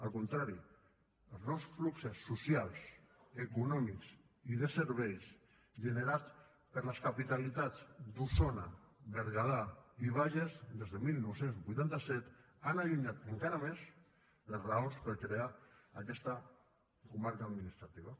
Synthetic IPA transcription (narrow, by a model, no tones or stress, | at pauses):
alˠkunt̪ɾaɾi | elˠznɔwsfluksesːusjalˠsekunɔmiks | iðeseɾβ̞ejs | ʒeneɾat͡s | pəɾləskapit̪alit̪at͡sd̪usonaβeɾɣaðaiβ̞aʒezd̪ezðemilˠnowsenzbujt̪ant̪asɛt̪ | anaʎuɲat̪eŋkaɾamez | ləzraonspəɾkɾeaakɛst̪a | kumaɾkaːðminist̪ɾat̪iβ̞a